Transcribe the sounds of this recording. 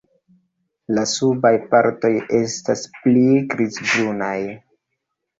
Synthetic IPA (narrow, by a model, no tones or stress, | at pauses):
lasubajpaɾto̞je̞stasplikɾizbɾunaj